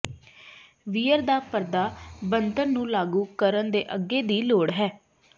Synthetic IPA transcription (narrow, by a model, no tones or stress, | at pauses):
ʋiːəɾd̪aːpəɾd̪aːbənd̪əɾnũːlaːɡuːkəɾənd̪ḛːʔəɡeːd̪iːloːɽɦɛː